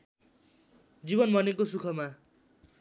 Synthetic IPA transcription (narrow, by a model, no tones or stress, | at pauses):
d͡zibʌnbʱʌnekosukʰʌma